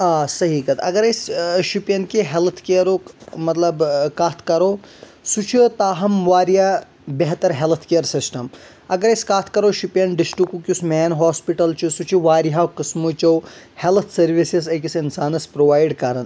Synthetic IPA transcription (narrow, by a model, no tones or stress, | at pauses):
aːsɐɦikɐt̪ʰɐ̰ɡɐɾɐsʃipjɐnkiɦelt̪ʰkeɾomɐt̪lɐbkat̪ʰkɐɾoː | sut͡ʃʰit̪aːɦɐmʋaːɾija | beɦt̪ɐɾɦelt̪ʰkeɐɾsisʈɐm | ɐɡɐɾɐskaːt̪ʰkɐɾoʃipjɐnɖisʈɾikukjusmeːnɦaːspiʈɐlt͡ʃʰusut͡ʃʰiʋaːɾiɦaqɨsmut͡ʃɐw | helt̪ʰsɐɾʋisizɐkisinsaːnɐspɾoːʋaːjɖkɐɾɐn